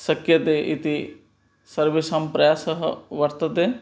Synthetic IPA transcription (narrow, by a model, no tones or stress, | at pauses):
sɐkjɐt̪eːʔit̪i | sɐɾʋiʃaːmpɾɐjaːsɐɦɐ̰ʋɐɾt̪ɐt̪eː